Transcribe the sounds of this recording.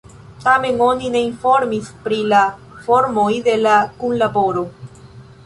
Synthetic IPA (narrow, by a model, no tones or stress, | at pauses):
t̪ame̞ŋo̞nine̞info̞ɾmispɾila | foɾmojd̪e̞lakunlabo̞ɾo